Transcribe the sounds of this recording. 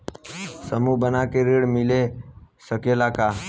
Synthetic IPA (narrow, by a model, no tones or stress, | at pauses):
səmubənakeɾeːɽmɪlesəkelakaː